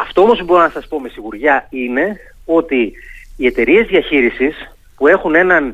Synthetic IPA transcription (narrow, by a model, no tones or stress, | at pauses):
ɐft̪o̞omospubo̞ɾonɐsɐspo̞me̞siɣuɾʝɐine̞ | o̞t̪iːet̪e̞ɾie̞zðiɐçiɾisis | pue̞xune̞nɐn